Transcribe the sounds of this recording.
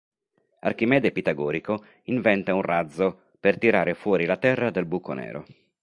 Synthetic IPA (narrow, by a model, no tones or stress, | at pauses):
a̰rk̟imɛːd̪epit̪aɡɔːɾiko | iɱvɛnt̪aunrad̪zːo | pert̪iɾaːɾefwɔːɾilat̪ɛrːad̪elbuko̰nɛ̰ːɾo̰